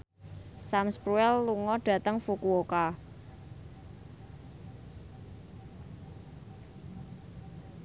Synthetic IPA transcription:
samspɾuɛlːuŋɔɖ̥ä̤t̪əŋfukuoka

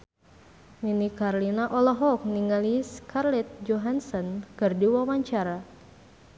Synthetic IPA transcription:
minikarlinaʔɔlɔɦɔk̚niŋaliskarlɛt̪̚d͡ʒɔɦansɔnkɨrdiwamaɲt͡ʃaɾa

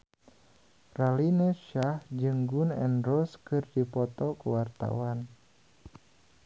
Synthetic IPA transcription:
ralinəʃahd͡ʒɨŋɡunɛ̰nrɔskɨrdipɔt̪ɔkuwart̪a̰wan

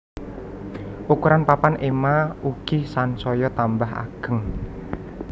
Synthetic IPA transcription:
ʔukuɾanpapanʔemauɡ̥ihsansɔjɔt̪ambaɦa̰ɡ̥əŋ

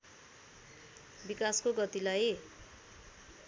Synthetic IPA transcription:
bikaskoɡʌt̪ilaj

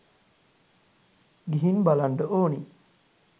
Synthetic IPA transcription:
ɡiɦinbalaɳɖəʔoːni

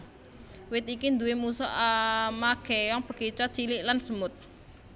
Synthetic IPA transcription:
wɪt̪̚ikind̪uwemusɔ̰ʔmaɡ̥ejɔŋpə̤̥ɡ̥et͡ʃɔt͡ʃilɪʔlansəmʊt̪̚

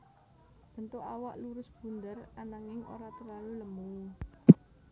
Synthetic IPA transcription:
b̥ə̤nt̪oʔawaʔluɾʊsb̥ṳnd̪əranaŋɪŋo̰ɾat̪ərlaluləmu

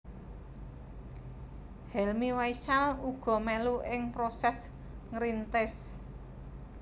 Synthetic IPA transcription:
hɛlmiwaiʃaluɡ̥ɔ̤mɛluʔɪŋpɾosɛs | ŋɾint̪ɪs

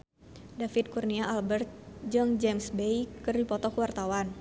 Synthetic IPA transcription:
dafit̪̚kurniaʔalbərt̪̚d͡ʒɨŋd͡ʒɛmsbejkɨrdipɔt̪ɔkəwart̪awan

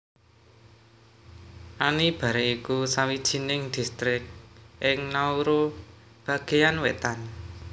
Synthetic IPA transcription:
ʔanib̥a̤ɾeikusawid̥ʒ̥i̤nɪŋd̪̥i̤st̪ɾɪk̚ʔɪŋnauɾo | b̥a̤ɡ̥e̤janwet̪an

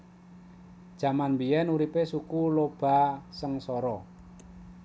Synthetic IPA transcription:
d̥ʒ̥a̤manbiɛnuɾipesukulob̥a̤səŋsɔɾɔ

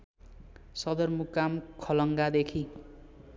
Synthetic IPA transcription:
sʌd̪ʌrmukamkʰʌlʌŋɡad̪ekʰi

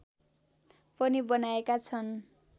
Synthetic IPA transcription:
pʌnibʌnaekat͡sʰʌn

